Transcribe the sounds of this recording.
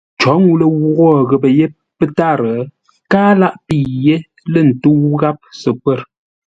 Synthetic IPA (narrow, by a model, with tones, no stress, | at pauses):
t͡ʃɔ˨˦ŋu˦lə˦wu˦ɣɔ˦˨ɣə˨pə˨je˦ | pə˦ta˦˨ɾə˨ | kaː˦la˦ʔpi˨je˦ | lə˦˨n̩˨tu˦wɣa˦p̚sə˨pwə˦˨ɾ